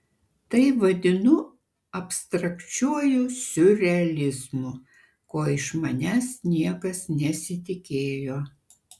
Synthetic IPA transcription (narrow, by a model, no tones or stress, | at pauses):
t̪ɐɪʋɐd̪ʲɪnʊ | ɐpʲst̪ɾɐkt͡ʃʲuɔjʊsʲʊɾʲɛɐlʲɪzmʊ | koːɪʃmɐnʲæːsnʲiɛkɐsnʲɛsʲɪt̪ʲɪkʲeːjoː